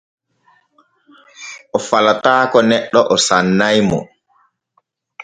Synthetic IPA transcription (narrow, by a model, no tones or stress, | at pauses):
ʔɔfalataːkɔnɛɗːɔʔɔsanːajmɔ̰